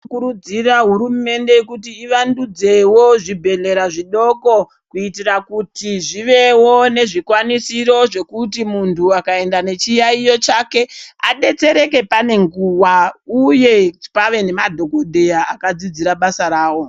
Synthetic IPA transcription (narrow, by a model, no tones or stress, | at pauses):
kuɾud͡ziraɦuɾume̞nde̞kutiːʋandud͡ze̞wo̞ʐibʱe̞ɮe̞ɾaʐiɗo̞ko̞ | kuitirakutiʐiʋe̞wone̞ʐikwanisiɾo̞ʐe̞kut̬imuntʰuakae̞ndane̞t͡ʃijaijo̞t͡ʃake̞aɗe̞t͡se̞ɾe̞ke̞pane̞ŋɡuwauje̞paʋe̞ne̞madʱo̞ɡʱo̞dʱe̞jaːkad͡zid͡ziɾaɓasaɾaːwo̞